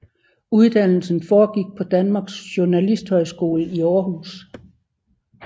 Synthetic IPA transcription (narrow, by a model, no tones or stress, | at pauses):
uðˠd̥æn̰l̩sn̩fɒːɡ̥iɡ̥̚pʰɒ̽d̥ænmɑ̈ːɡ̥sɕoɐnælisd̥hɒ̽ɪsɡ̥o̝̰ːləiɒːɦuːs